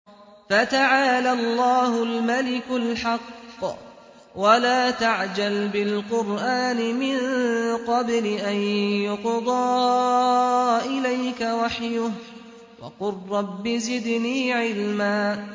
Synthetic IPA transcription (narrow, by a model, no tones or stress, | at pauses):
fat̪aʕaːlalːɑːɦʊlmalɪkʊlħɑqː | walaːt̪aʕd͡ʒalbɪlqʊɾʔaːnɪmɪnqɑblɪʔanjʊqd̪ˤɑː | ʔɪlajkawaħjʊh | wɑ̰qʊrːɑbːɪzɪd̪niːʕɪlmaː